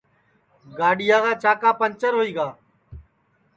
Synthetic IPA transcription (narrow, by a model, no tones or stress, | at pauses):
ɡaːɗɪjaːkaːt͡ʃaːkaːpənt͡ʃəɾɦoːiːɡaː